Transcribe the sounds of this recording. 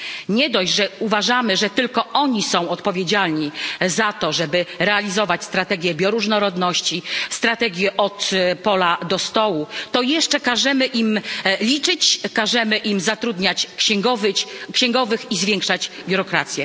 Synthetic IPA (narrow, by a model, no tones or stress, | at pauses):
ɲɛd̪ɔʑʐɛuvaʐamɘʐɛt̪ɘlkɔɔɲisɔ̃w̃ɔt̪pɔvʲjed͡ʑalɲizat̪ɔʐɛbɘɾɛalʲizɔvat͡ɕst̪ɾat̪ɛɡʲjɛbʲjɔɾuʐnɔɾɔd̪nɔɕt͡ɕist̪ɾat̪ɛɡʲjɛʔɔt̪pɔlad̪ɔst̪ɔwut̪ɔjɛʂt͡ʂɛkaʐɛmɘʔimlʲit͡ʂɘt͡ɕkaʐɛmɘʔimzat̪ɾud̪ɲat͡ɕɕɛŋɡɔvt͡ɕkɕɛ̃ŋɡɔvɘxizvʲjɛŋkʂat͡ɕbʲuɾɔkɾa̰t̪sʲjɛ